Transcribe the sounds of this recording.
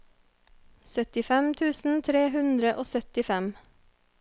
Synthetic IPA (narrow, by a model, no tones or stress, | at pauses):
sœt̪ɪfɛmt̪ʰʉːsn̩t̪ʰɾeːhʉnd̪ɾəʔoːsœt̪ɪfɛm